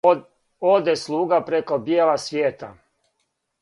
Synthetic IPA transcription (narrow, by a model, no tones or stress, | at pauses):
od̪eslˠuːɡapɾeko̞bjeːlasʋjeːt̪a̰